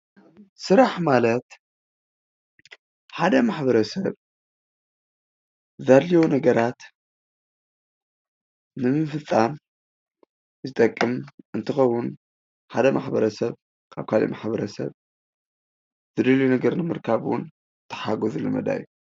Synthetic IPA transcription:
sɨɾaħmalɐt̪ | ħad̪ɐmaħbɐɾɐsɐβ | zalːijonɐɡɐɾat̪ | ɨmɨfɨt̪ʼːan | zɨt̪ʼɐkʼːɨmɨnt̪ʰɨxɐwːʊn | ħad̪ɐmaħbɐɾɐsɐβ | kʰaβkʰalḭmaħbɐɾɐsɐ̰β | zɨd̪ɐljunɐɡɐɾnɨmɨɾkʰaβwʊ̰n | t̪ʰːɐ̥ħaɡozulɨmɐ̰d̪a̰jːu

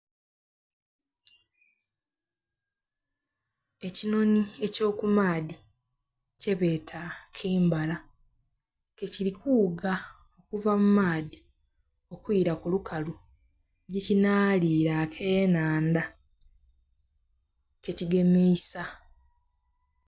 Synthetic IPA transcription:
e̞cino̞nie̞co̞ːkumaːdi | ce̞βe̞ːtʰakʰeːmbala | kecilikʰuːɡa | o̞kuvamumaːdi | o̞kwiːɾakulukʰalu | ɟicinaːliːɾakʰe̞ːnaːnd̪a | ke̞ciɡe̞meːsa

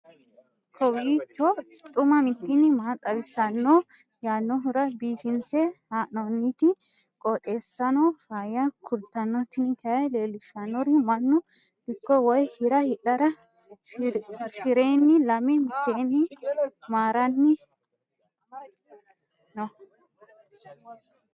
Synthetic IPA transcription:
kʰɔwiːt͡ʃːɔt̪ʼʊmɐmɪt̪ːinːɪmaːt̪ʼɐwɪsːɐnːo | jaːnːɔɦʊɾɐbiːfɪnsehaːʔnɔnːit̪ɪkʼɔt̪ʼe̞ːsːɐnɔfaːjɐkʰʊɾt̪ːɐnːɔt̪ːɪnɪkɛjɐjleːlɪʃɐnːɔɾɪmɐnːʊd̪̥ɪkːɔwɔjhɪɾɐhɪᶑɐɾɐ | fɪɾeːnːɪlɐmɛmɪt̪ːeːnːɪmaːɾɐnːɪ | nɔ

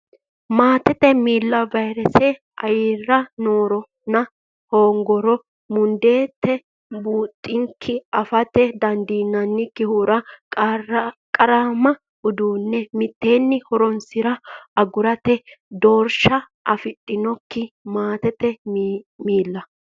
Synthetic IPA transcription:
maːt̪ɛt̪ɛmiːlːɐvɐjɾɛsɛ | ʔɐjɪrːɐnoːɾɔ | nɐ | hoːŋɡɔɾɔ | mʊnd̪e̞ːt̪ʰːɛ | buːt̪ʼːɪŋkʰːɪɐfɐt̪ɛd̪ɐnd̪iːnːɐnːɪkɪhuːɾɐ | kʼɐɾamɐ | ʊd̪uːnːɛmɪt̪ːe̞ːnːɪhɔɾɔnsɪɾɐɐɡʊɾɐt̪ɛd̪oːɾʃɐ | ʔɐfɪt̪ʼːɪnɔkːɪmaːt̪ɛt̪ɛ | miːlːɐ

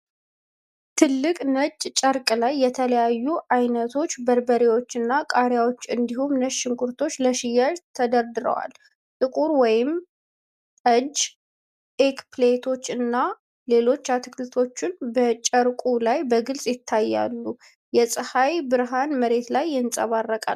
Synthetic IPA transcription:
t̪ʰɨlːɨkʼnət͡ʃʼt͡ʃʼəɾkʼlajːɛt̪ʰələjajːuʔajnət̪ʰo̞t͡ʃːbəɾbəɾiwo̞t͡ʃːɨnːakʼaɾjawo̞t͡ʃːɨnd̪ihumnəʃɪŋkʰuɾt̪ʰo̞t͡ʃːləʃɪjaʒt̪ʰəd̪əɾd̪ɨɾə̰wa̰l | t̪ʼɨkʼuɾwɔjɪm | ʔəd͡ʒː | ʔekplet̪ʰo̞t͡ʃːɨnːa | le̞lo̞t͡ʃːat̪ʰɨ̥kʰlɨt̪ʰo̞t͡ʃːɪnbət͡ʃʼəɾkʼulajbəɡɨlsʼjɪt̪ʰːajːa̰lːu | jɛsʼɨhajbɨɾɦanməɾe̞t̪lajːɪnsʼəβarːəkʼa̰l

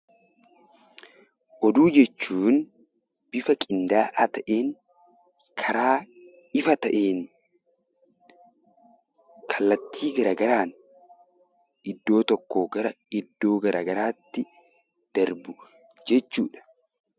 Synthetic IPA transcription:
ʔɔd̪uːd͡ʒɛt͡ʃːuːn | b̥ɪfɐkʼɪnd̪aːʔɐt̪ɐʔeːŋ | kʰɐɾaː | ɪfɐt̪ɐʔeːn | kʰɐlːɐt̪ʰːiːɡɐɾaːɡɐɾaːn | ʔɪd̪ːo̞ːt̪ɔkːoːɡɐɾɐ | ɪd̪ːo̞ːɡɐɾʔa̰ːɡɐɾaːt̪ːɪ | d̪̥ɐɾbʊ | d͡ʒɛt͡ʃːuːᶑɐ̥

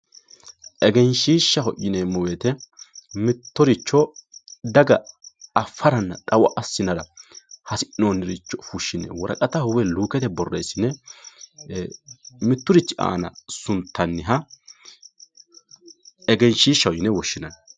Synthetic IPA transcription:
ʔɛɡɛnʃiːʃːɐɦɔʔɪnemɔwet̪ɛmɪt̪ːʊɾɪt͡ʃːɔd̪ɐɡɐɐfːɐɾɐnːɐtʼɐwɐʔɐsːɪnɐɾɐhɐsɪʔnoːnːɪɾɪt͡ʃːɔfuʃːɪnɛ̰wɔɾɐ̰kʼɐt̪ɐhʊwɛluːkɛt̪ɛbɔrːḛjsːɪnɛ | mɪt̪ːʊɾɪt͡ʃːɪʔa̰ːnɐ̰sʊnt̪ʰːɐnːɪɦɐ | ɛɡɛnʃiːʃːɐwjɪnɛwɔʃːɪnɐn

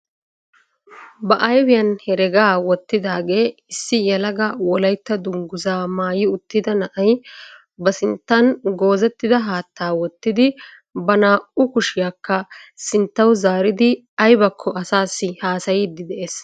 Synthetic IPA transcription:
bɐʔɐjwɪjɐnhɛɾɛɡaːwɔt̪ːɪd̪aːɡe̞ːɪsːɪjɛlɐɡɐwɔlɐjt̪ːɐd̪ʊŋɡʊzaːmaːjɪʊt̪ːɪd̪ɐnɐʔɐj | bɐsɪnt̪ːɐnɡo̞ːzɛt̪ːɪd̪ɐɦaːt̪ːaːwɔt̪ːɪd̪ɪ | bɐnaːʔʊkʊʃɪjakːɐsɪnt̪ːɐwzaːɾɪd̪ɪ | ɐjbɐkʰːɔɐsaːsːɪhaːsɐjɪd̪ːɪd̪ɛʔeːs

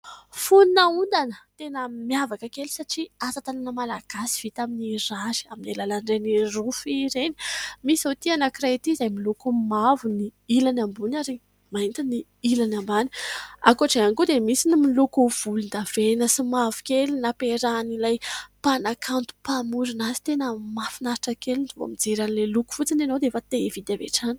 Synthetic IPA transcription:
fununəund̪anət̪enəmjavakəkeli̥saʈ͡ʂiasat̪ananəmalaɡ̥asi̥v̥it̪aminirazi̥aminelalaɳɖ͡ʐenirufiɾeni̥misawt̪ianakirat̪izajmilukumavuniilanambunaɾi | maint̪ini | ilanambani̥a̰kuaʈ͡ʂaanikud̪emisinimilukuv̥ulund̪av̥enəsimavu̥kelinapeɾanilajpanakʰant̪u̥pamuɾinazi̥t̪enəmafinaɾiʈ͡ʂakelinivo̰mid͡zeɾanileluku̥fut͡sinanowd̪eefət̪evid̪avḛʈ͡ʂani̥

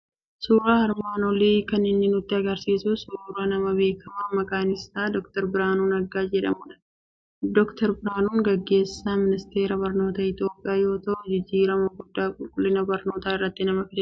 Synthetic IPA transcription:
suːɾaːɐɾbaːnɔliːkɐnːɪnːɪnʊt̪ːɪɐɡɐɾsiːsʊsuːɾaːnɐmɐbe̞ːkːɐmamɐkʼaːnɪst̪aːd̪ɔkt̪ɐɾbɪɾaːnuːnɐɡːaːd͡ʒɛᶑɐ̰mʊᶑɐ̥ | d̪ɔkt̪ʰɐɾbɪɾaːnuːŋɡɐɡːe̞ːsːaːmɪnɪst̪e̞ːɾɐbɐɾno̞ːt̪ɐɪt̪jo̞ːpʼɪjaːjo̞ːt̪ɐʔɔd͡ʒɪd͡ʒːiːɾɐmɐɡʊd̪ːaːkʼʊlkʼʊlːɪnɐbɐɾno̞ːt̪aːɪrːɐt̪ːɪnɐmɐfɪd̪ɐ

